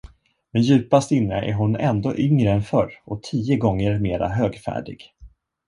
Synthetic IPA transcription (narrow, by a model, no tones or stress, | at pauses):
mɛnjʉ̟ːpast̪ɪnːə̰ʔæ̰ɾɦʊnɛnd̪oːʔʏŋɾəɛnfœɾɔt̪ʰiːəɡɔŋːəɾmeːɾa̰ɦøːɡfæ̰ːɖɪ̰ɡ̥